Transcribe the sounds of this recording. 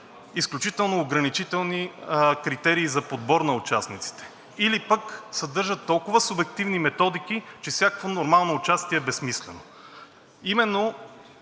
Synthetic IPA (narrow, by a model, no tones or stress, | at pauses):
isklʲut͡ʃit̪ɛlˠnoːɡɾɐnit͡ʃit̪ɛlˠnikɾit̪ɛɾiːzɐpod̪bɔɾnɐʊt͡ʃasnit̪si̥t̪ɛ̥ | ilipəksɐd̪ɤɾʒət̪ːɔlˠkʊvəsʊbɛk̚t̪ivnimɛt̪ɔd̪ikit͡ʃɛfsʲjakəkvonoɾmalˠnoːt͡ʃast̪iɛːbɛsmislɛno | imɛnːo